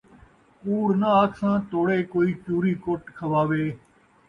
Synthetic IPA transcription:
kuːɽnəaːkʰsãːt̪ʰoːɽeːkoːiːt͡ʃuːɾiːkoʈkʰəʋaːʋeː

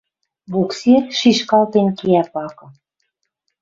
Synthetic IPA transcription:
βukset̪ʃiʃkɑlt̪enkiæpɑkɤ̆

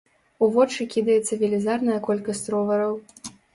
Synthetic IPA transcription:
uvɔt͡ʂɨkʲid̪ɐjɛt̪sːɐvʲilʲizarnɐjɐkɔlʲkɐsʲt̪ɾɔvɐɾɐw

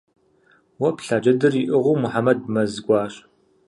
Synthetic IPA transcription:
wɐpɬaːd͡ʒɐdɨriʔɨʁuːmʊħamɐd̚mɐzɨɡʷɑːɕʼ

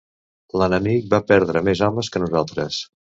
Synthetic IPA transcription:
lənəmik̚bapɛɾðɾəmezɔməskənuzalˠt̪ɾəs

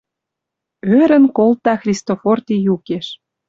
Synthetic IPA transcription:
øɾə̆nkolt̪ɑxrʲist̪ofort̪ijukeʃ

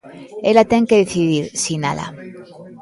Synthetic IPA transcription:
elat̪e̞ŋkeðeθiðiɾsina̰la̰

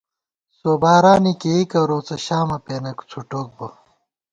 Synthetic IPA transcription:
soːbaːɾaːnikeikɐɾoːt͡sɐɕaːmɐpeːnɐku̥t͡sʰuʈoːk̚bo

